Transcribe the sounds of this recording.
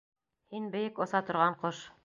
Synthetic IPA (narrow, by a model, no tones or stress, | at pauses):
hinbɘ̆jɘkŏsɑt̪ŏɾʁɑɴqoʃ